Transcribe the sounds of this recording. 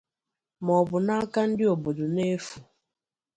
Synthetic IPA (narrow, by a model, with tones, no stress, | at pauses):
mɔ˨bʊ˨na˦ka˦n̩˦dɪ˦o˨bo˨dʊ˨ne˦fu˨